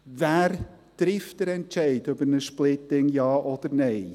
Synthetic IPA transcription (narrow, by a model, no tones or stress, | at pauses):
væːɾ | d̥ɾɪftəɾɛntʃɛɪdœbəɾnəʃplɪt̪ɪŋjɑːʔɔd̪̥əɾnɛɪ